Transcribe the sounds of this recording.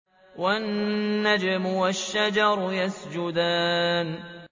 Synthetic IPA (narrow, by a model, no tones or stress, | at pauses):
wanːad͡ʒamʊwaʃːad͡ʒɑɾˤjasd͡ʒʊd̪aːn